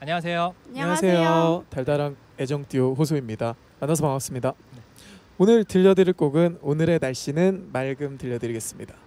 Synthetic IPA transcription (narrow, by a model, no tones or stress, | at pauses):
aɲʌwas̬ʰe̞joaɲʌasʰe̞jjootaɭdaɾaŋ | e̞d͡ʑʌŋt͈ioɸosʰoimɲida | manːasʰomaŋas͈ɯmɲida | onɯɭtɯʎːʌdɯɾiɭk͈oɡɯnonɯɾe̞naɭɕ͈inɯnmaɭɡɯmtɯʎːʌdɯɾiɡe̞s͈ɯmɲida